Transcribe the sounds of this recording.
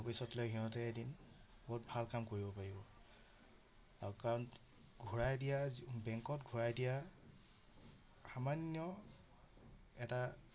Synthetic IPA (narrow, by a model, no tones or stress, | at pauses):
opisɔtlojɦiɦɔtɛedin | bɔɦutbʱalkamkoɹibɔpaɹibɔ | aɹukaɹɔn | ɡʱuɹajdijabɛŋkɔtɡʱuɹajdija | xamanjɔ | ɛta